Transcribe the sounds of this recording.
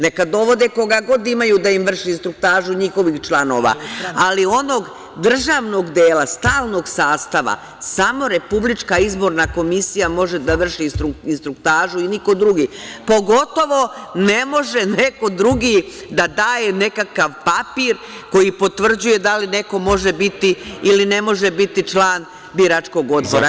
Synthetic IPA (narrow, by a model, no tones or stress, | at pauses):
ne̞kad̪o̞ʋo̞d̪eko̞ɡaɡo̞d̪imajuːd̪aimʋr̩ʃiinst̪ɾuk̚t̪aːʒuɲixo̞ʋixt͡ʃlˠano̞̰ːʋa̰alio̞no̞ɡ | d̪r̩ʒaːʋno̞ɡd̪eːlast̪aːlˠno̞ɡsaːst̪aʋa̰ | samo̞ɾe̞publit͡ʂkaizbo̞ɾnako̞misijamo̞ʒe̞d̪aʋr̩ʃit̪ɾuinst̪ɾukt̪aːʒuiniko̞d̪ɾuɡipo̞ɡo̞t̪o̞ʋo̞ne̞mo̞ʒe̞ne̞ko̞d̪ɾuɡi | d̪ad̪aːje̞ne̞kakaʋpapiːɾ | ko̞jipo̞t̪ʋr̩d͡ʑuje̞d̪aline̞ko̞mo̞ʒebit̪iiline̞mo̞ʒebit̪it͡ʃlaːn | biɾat͡ʃko̞ɡo̞d̪bo̞̰ɾa